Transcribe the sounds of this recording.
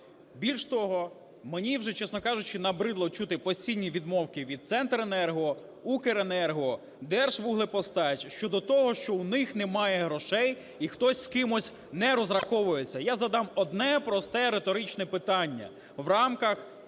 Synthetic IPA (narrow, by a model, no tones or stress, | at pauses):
bʲilʲʃt̪ɔɦɔ | menʲiwʒɛt͡ʃɛsnɔkɑʒʊt͡ʃɪnɐbɾɪd̪lˠɔt͡ʃut̪ɪpɔsʲtʲijnʲːiʋʲid̪mɔwkɪʋʲid̪̚t̪sɛnt̪ɾenɛrɦɔ | ukeɾenɛrɦɔ | d̪ɛrʃʋuɦlˠɪpɔst̪ɑt͡ʃʲʃt͡ʃɔd̪ɔt̪ɔɦɔʃt͡ʃɔwnɪxnemɑjɛɦɾɔʃɛj | ixt̪ɔsʲskɪmɔsʲ | nɛɾɔzɾɐxɔʋʊjet͡sʲːɐjazɐd̪ɑmɔd̪nɛpɾɔst̪ɛɾet̪ɔɾɪt͡ʃnɛpɪt̪ɑnʲːɐ̰ | wrɑmkɐx